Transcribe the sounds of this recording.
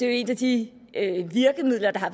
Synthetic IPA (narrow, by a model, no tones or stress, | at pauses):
e̝e̝næd̥i | øʋiɐɡ̥əmið̰ˠlɐd̥ɑ̈ɦɑ̈ʋ